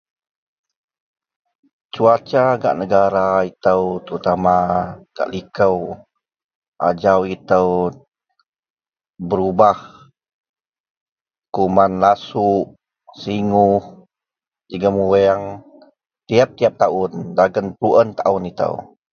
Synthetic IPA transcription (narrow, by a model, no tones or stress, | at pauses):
t͡ʃuat͡ʃaɡa̰ʔnəɡaɾait̪əwt̪əɾut̪amaɡ̥a̰ʔlikəw | ʔa̰d͡ʒawit̪əw | bəɾubah | kumanlasuʔ | siŋuh | d͡ʒəɡəmuɛaŋ | t̪iap̚t̪iap̚t̪aʊndaɡənpɾuʔənt̪a̰ʊnit̪ə̰w